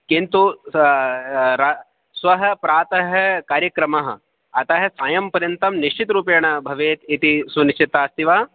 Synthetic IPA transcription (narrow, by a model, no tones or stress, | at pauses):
kint̪u | ɾa | sʋɐɦɐ̆pɾaːt̪ɐɦɐ̆kaːɾjɐkɾɐmɐɦɐ̰̆ | ɐt̪ɐɦɐsaːjɐmpɐɾjɐnt̪ɐmniʃt͡ʃit̪ɾuːpjɐɳɐbʱɐʋeːt̪it̪isunʃt͡ʃit̪aːst̪iʋaː